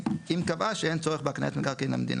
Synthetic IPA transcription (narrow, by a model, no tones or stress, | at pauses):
imkavaʃɛejnt͡sɔʁəχbaknḛet̪mekaʁkenla̰md̪ḭnʔa